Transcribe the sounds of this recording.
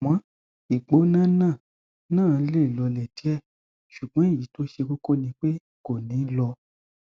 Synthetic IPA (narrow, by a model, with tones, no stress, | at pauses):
mã˨˦ | i˨k͡po˨˦nã˦˨nãː˦˨ | nãː˦˨˧le˦˨lɔ˨˧lɛ˨ti˨˦ɛ˦˨ | ʃu˨ɡ͡bɔ̃˨˦i˦˨ji˨˦to˦ʃe˧ko˦ko˦˨nĩ˧˦k͡pe˦ | ko˨nĩ˨˦lɔ˧